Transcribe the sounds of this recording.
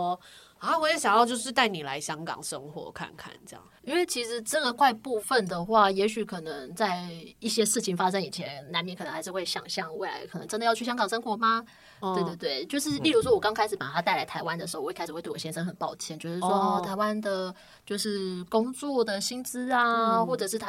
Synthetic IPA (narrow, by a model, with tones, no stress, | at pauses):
ɔ˧ | a˥˧wɔ˧˥je˧˥ɕjɑ˨˩ŋjɑ˥˧ʊt͡ɕjo˥˧ʊʂɻ̩˥˧t̪a˥˩ɪni˨˩la˧˦ɪɕjɑ˥ŋkɑ̰˨˩ŋʂə˦˥ŋxwɔ̰˧˦kʰa̰˥˧nkʰa̰˥˩nt͡ɕɑ̰˥˩ŋi˥nwe˥˩ɪt͡ɕʰi˧˥ʂɻ̩˧˥ʈ͡ʂə˥˩ə˨˩kwa˥˧ɪpu˥˧fə˨nd̪ə˩xwa˥˩jɛ˧˥ɕy˨˩kʰɤ˨˩nə˧˦ŋt͡sa˥˧ɪi˥˩ɕjɛ˥ʂɻ̩˥˩t͡ɕʰi˨˩ŋfa˥ʂ̬ɤ˥ŋi˨˩t͡ɕʰjɛ˧˥nna˧˥nmjɛ˧˥nkʰə˨˩ə˧˦xa˧˥ɪʂ̩˥˧xwe˥˩ɪɕjɑ̰˨˩ŋɕjɑ˥˧ŋwe˥˩ɪla̰˧˥ɪkʰə˨˩nə̰˧˦ŋʈ͡ʂə˥nd̪ə˨jɑ˥˧ʊy˥˩ɕjɑ˥ŋkɑ˨˩ŋʂɤ˥ŋxwɔ˧˥ma˨ | t̪we˧t̪we˥˧˩t̪we˥˩ɪt͡ɕjo˥˧ʊʂɻ̩˥˧li˥˩ɻu˧˥ʂ̬wɔ˥wɔ˨˩kɑ˥ŋkʰa˥ɪʂɻ̩˨˩˥pa̰˨˩t̪ʰa˥t̪a˥˩ɪla˧˥ɪt̪ʰa˧˥ɪwa˦ndə˨˩ʂ̩˧˥˧kʰʂ̩˨˩w̪ɕjɛ˥nʂə˥ŋxə˨˩npɑ˥˩ʊt͡ɕʰjɛ˥nt͡ɕjo˥˧ʊʂɻ̩˥˩wɔ˥˧˥t̪ʰa˧˥ɪwa˦˥nd̪ə˨ | t͡ɕjo˥˧ʊʂɻ̩˥˩kʊ˥ŋt͡swɔ˥˩d̪ə˩ɕi˥nt͡sɹ̩˥a˨˧xwɔ˥˩ʈ͡ʂɤ˨˩ʂɻ̩˥˩t̪ʰ